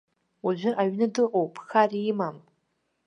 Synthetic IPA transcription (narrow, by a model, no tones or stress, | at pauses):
uʒʷɨʔaɥnɨdɨqʷʼowpʼxarimam